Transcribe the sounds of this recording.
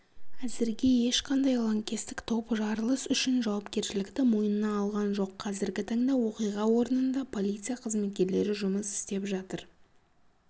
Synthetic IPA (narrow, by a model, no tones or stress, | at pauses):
æzɪɾɡʲe̞je̞ʃqʰɑnd̪ɑjlˠoŋkʲest̪ɪkt̪ʰo̞pəʒɑɾəlˠəsʏʃɪnʒɑwɑpkʲe̞ɾʃɪlɪkt̪ɪmojənənɑɑlˠʁɑnʒo̞qʰːɑzɪɾɡʲɪt̪ʰɑŋd̪ɑwo̞qijʁɑwo̞ɾənənd̪ɑpʰo̞lʲˠijt̪sɨjaqʰəzme̞t̪̚kʲe̞ɾle̞ɾɪʒʊməsɪ̥st̪e̞pʒɑt̪əɾ